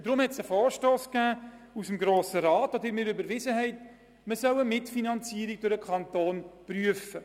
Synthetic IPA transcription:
d̥ɾʊmhɛtsəfɔːɾʃtoːskæːusəmɡɾoːsəɾɑːtɔdəɪɾmɪɾybəɾʋɪzəɦɛɪt | məsœwəmɪtfinɑnt͡siːɾiɡ̚d̥ʊɾəkʰɑnt̪oːnpryəfə

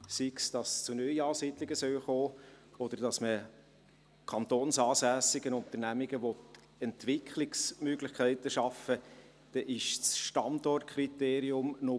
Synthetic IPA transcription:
siksd̥ɑst͡sʊnœiɑːsid̪lɪɡəsœwχoːɔd̥̪əɾd̥ɑsmə | kʰɑnt̪oːnsɑːsæːsɪɡənʊnt̪əɾnæmiɡəʋɔt̪ | ɛntʋɪkʰχlɪksmøɡlɪχkʰæɪtəʃɑfə | d̥ɛʔɪʃsʃtɑndɔrt̚kʰɾit̪eːɾiʊmnɔ

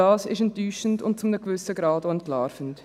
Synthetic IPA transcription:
ɑːsɪ̰ʃɛntyːʃən̩tʊ̰nt̚t͡sʊmnəkvʏsəɡɾɑːdoɛntlaːɾfən̩t

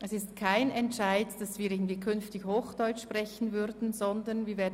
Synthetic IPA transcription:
ʔɛsɪstkʰaɪnɛntʃaɪdd̥asviːɪɡn̩dv̥iːkʰʏnftɪçhoːxd̥ɔʏt͡ʃʃprɛçən̩vʏɾdn̩zɔndənviːɐvɛːɐd

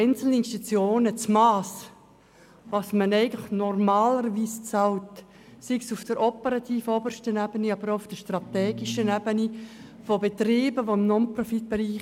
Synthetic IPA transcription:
ɛɪnt͡sl̩nəɪnʃtit͡sjoːnət͡smɑːs | vɑsmənɛɪɡəlɪχnɔrmɑːləɾviːst͡sɑlt | siksʊfd̥əɾʔɔpəɾɑt̪ʰiːfɔbərʃtənɛbəniɑbəɾoʊfd̥əʃtrɑtɛːɡiʃənɛbənifobet̪ɾɪːbəʋoɪmnɔnprɔfit̚b̥eɾiː

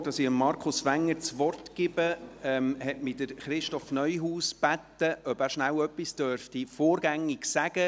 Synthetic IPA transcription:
d̥ɑsɪəmːɑɾkʰʊsʋæŋːəɾt͡sʋɔrtkɪb̥əɛmhɛtmɪdəɾχɾɪʃtɔfnœʏɦuːsb̥ætːəʔœbæːɾʃnæwœpːistœɾftifoːɾɡ̥æŋːɪɡsæɡ̥ə

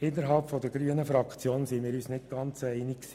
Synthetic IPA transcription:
ɪnːəɾɦɑlpfɔd̪əɡɾyənəfɾɑkχt͡sjoːnsimɪːɾyːsnɪt̚ɡ̥ɑnt͡sɛɪnɪksi̥

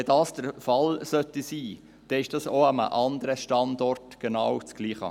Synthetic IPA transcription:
ɛd̥ɑːsd̥əɾfɑlsœtisiː | d̥ɛɪʃd̥ɑːsoɑmə̰ʔɑnd̪əɾəʃtɑndɔrtɡ̥enɑwt͡sɡ̥liːχə̰

